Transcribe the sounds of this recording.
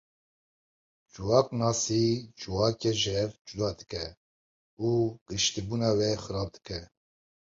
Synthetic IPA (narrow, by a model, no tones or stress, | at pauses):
d͡ʒuwɑːknɑːsid͡ʒuwɑːkɛʒɛɾd͡ʒud̪ɑːd̪ɨkɛ | uɡ̥ɨʃt̪ibuːnɑːwɛxɨɾɑːb̚d̪ɨkʰɛ